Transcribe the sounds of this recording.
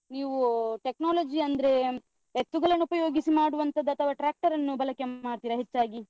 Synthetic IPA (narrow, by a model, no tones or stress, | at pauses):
niːʋuʈeknaːlɐd͡ʒiɐnd̪ɐɾe̞ | et̪ːuɡɐɭɐnːupɐjo̞ːɡisimaːɽuʋɐnt̪ɐd̪ːɐt̪ʰɐʋɐʈɾaːk̚ʈɐɾɐnːubɐlɐkːeaːɽt̪iːɾɐɦet͡ʃːaːɡi